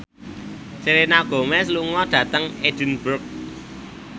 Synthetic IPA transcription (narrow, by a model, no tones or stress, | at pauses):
seɾenaɡ̥o̤mɛs̬luŋɔɖ̥ä̤t̪əŋed̥ə̤nb̥ʊrk̚